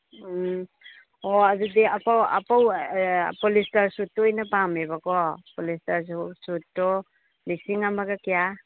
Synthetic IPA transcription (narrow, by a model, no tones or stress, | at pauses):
ɔadudiapawa̰pawpɔlistaɾsutːɔːjnapamebakɔpɔlistaɾssutːɔ | lisiŋamaɡakija